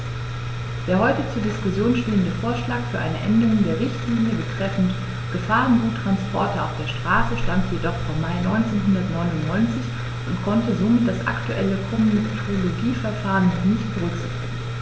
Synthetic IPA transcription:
d̥eːɐhɔʏtət͡suːɐdɪskʊsjoːnʃteːəndəfoːɐʃlaːkfyːɐʔa̰ɪnəʔɛndəʁʊŋdeːɐʁɪçtliːnjəbətʁ̥ɛfn̩t | ɡ̥əfaːʁənɡuːtʁ̥anspʰɔɐtɐaʊfd̥eːɐʃtʁ̥aːsəʃtamtʰjedɔχfɔmːaɪnɔʏnt͡seːnɦʊndɐtnɔʏnʊntnɔʏnt͡sɪç | ʔʊntkʰɔntəzomɪt̚d̥asʔa̰ktuʔɛ̰ləkʰɔməndətʰɛtnoloɡiːfɛɐfaːʁənːɔnɪçt̚b̥əʁʏkz̥ɪ̰çtɪɡ̩ŋ̩

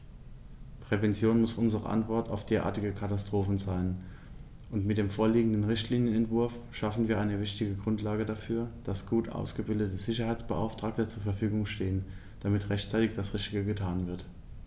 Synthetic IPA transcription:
pʁ̥ɛvɛnt͡sjoːnmʊsʔʊnzəʁə̰ʔa̰ntv̥ɔɐta̰ʊfd̥eːɐʔa̰ːɐtɪɡəkʰatastʁ̥oːfn̩zaɪn | ʔʊntmɪt̚d̥eːmfoːɐliːɡŋ̩dn̩ʁɪçtliːnjənɛntv̥ʊɐf | ʃafn̩viːɐʔaɪnəvɪçtɪɡəɡʁʊntlaːɡədafyːɐd̥asɡ̥uːtʔa̰ʊsɡ̥əbɪldətəz̥ɪçɐhaɪt͡sb̥əʔa̰ʊftʁ̥aːk̚tət͡suːɐfɛɐfyːɡʊŋʃteːən | d̥amɪtʁɛçtt͡saɪtɪçd̥asʁɪçtɪɡəɡətʰaːnvɪɐt

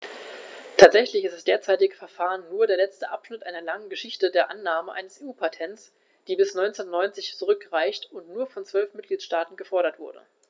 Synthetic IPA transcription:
tʰaːtz̥ɛçlɪçɪstd̥asd̥eːɐt͡saɪtɪɡəfɛɐfaːʁənːuːɐdeːɐlɛt͡stəʔapʃnɪtʔaɪnɐlaŋənɡəʃɪçtədeːɐʔanːaːməʔa̰ɪnəseːuːpʰatʰɛntt͡s | d̥iːbɪsnɔʏnt͡stnɔʏnt͡sɪçt͡suʁʏkʁaɪçtʊntnuːɐfɔnt͡sv̥œlfmɪt̚ɡ̥liːtʃtaːtn̩ɡəfɔɐɾɐtv̥ʊɐdə̰

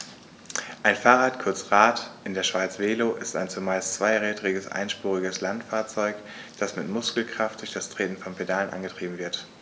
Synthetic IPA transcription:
ʔaɪnfaːʁaːtkʰʊɐt͡sʁaːtʔɪndeːɐʃv̥aɪt͡sv̥eːloʔɪsta̰ɪnt͡sumaɪst͡sv̥aɪʁɛːdʁɪɡəsʔa̰ɪnʃpuːʁɪɡəslantfaːɐt͡sɔʏk | d̥asmɪtmʊskl̩kʁ̥aft̚d̥ʊɐçd̥astʁ̥eːtn̩fɔnpʰedaːlənʔa̰nɡətʁ̥iːbm̩vɪɐt

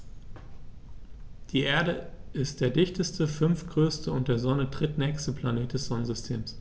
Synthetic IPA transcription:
d̥iːʔeːɐɾəʔɪst̚d̥eːɐdɪçtəstəfʏnfɡ̥ʁøːstəʊntd̥eːɐzɔnədʁ̥ɪtnɛːçstəplaneːt̚d̥ɛsz̥ɔnənzʏstʰḛːms

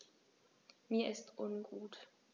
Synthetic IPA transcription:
miːɐʔɪstʔʊnɡuːt

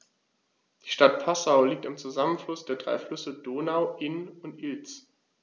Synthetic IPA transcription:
d̥iːʃtatpʰasaʊliːk̚tɪmt͡suzamənflʊsd̥eːɐdʁa̰ɪflʏsədoːnaʊʔɪnʊntʔɪlt͡s

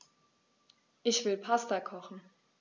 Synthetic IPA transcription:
ʔɪçv̥ɪlpʰastakʰɔχn̩

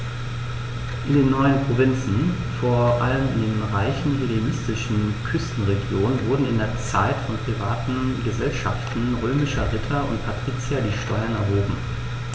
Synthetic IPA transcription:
ʔɪndeːnːɔʏənpʁ̥ovɪnt͡sn̩ | foːɐʔaləmɪ̰ndeːnʁaɪçn̩hilelɪstɪʃn̩kʰʏstn̩ʁeɡjoːnənvʊɐdn̩ɪndeːɐt͡saɪtfɔnpʁ̥ivaːtn̩ɡəzɛlʃa̰ftn̩ʁøːmɪʃɐʁɪtʰɐʊ̰ntpʰatʁ̥iːt͡sjadiːʃtɔʏɐnɛɐɦoːbm̩

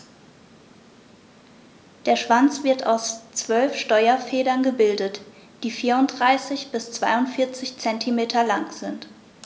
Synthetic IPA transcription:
d̥eːɐʃv̥ant͡sv̥ɪɐta̰ʊst͡sv̥œlfʃtɔʏɐfɛːdɐnɡəbɪldət | d̥iːfiːɐʊntd̥ʁaɪsɪçb̥ɪst͡sv̥aɪʊntfɪɐt͡sɪçt͡sɛntʰimeːtʰɐlaŋz̥ɪnt

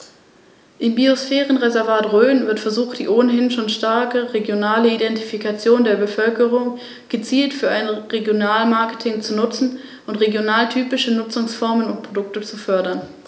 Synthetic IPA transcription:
ʔɪmbiosfɛːʁənʁezɛɐvaːtʁøːnvɪɐtfɛɐzuːxt̚d̥ḭːʔoːnəɦɪnʃoːnʃtaɐkəʁeɡjonaːləidɛntifikat͡sjoːndeːɐbəfœlkəʁʊŋ | ɡ̥ət͡siːltfyːɐaɪnʁeɡjonaːlmaɐkə̥tʰɪŋt͡sunʊt͡sn̩ | ʔʊntʁeɡjonaːltʰyːpɪʃənʊt͡sʊŋsfɔɐmənʊnt̚pʁ̥odʊk̚tət͡sufœɐdɐn

